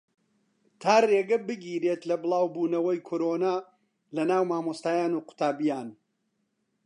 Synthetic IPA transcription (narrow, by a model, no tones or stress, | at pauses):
t̪ʰaːreːɡɐbɨɡiːɾeːt̪lɐbɨlˠaːwbuːnɐwɐjkʰoːɾoːnaː | lɐnaːwmaːmost̪aːjaːnuːqʊ̥t̪ʰaːbijaːn